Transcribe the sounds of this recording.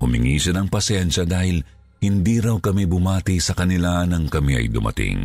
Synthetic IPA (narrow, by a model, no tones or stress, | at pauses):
hʊmɪ̰ŋiːʃɐnɐŋpɐsjɛnʃɐd̪aːhɪl | hɪnd̪iːɾɐwkɐmibʊmaːt̪ɪsɐkɐnɪlanɐŋkɐmiʔɐ̰jd̪ʊ̰mʔɐ̰t̪ɪ̰ŋ